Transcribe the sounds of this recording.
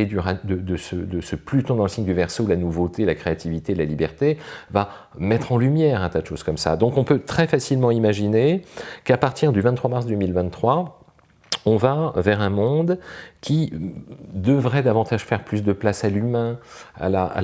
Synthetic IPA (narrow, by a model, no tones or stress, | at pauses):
ed̪yʁad̪əd̪əsəd̪əsəplyt̪ɔ̃d̪ɑ̃ləsiɲd̪yvɛʁsolanuvot̪elakχeat̪ivit̪elalibɛʁt̪eva | mɛt̪χɑ̃lymjɛʁɛ̃t̪ad̪əʃoz̥kɔmsa̰d̪ɔ̃kɔ̃pøt̪χɛfasilmɑ̃imaʒinekapaʁt̪ʰiʁd̪yvɛ̃t̪t̪χwamaʁs̬d̪ømilvɛ̃t̪χwa | ɔ̃vavɛʁɛ̃mɔ̃d̪kʲʰi | d̪əvʁɛd̪avɑ̃t̪aʒ̥fɛʁplys̬d̪əplasalymɛ̃a̰laa̰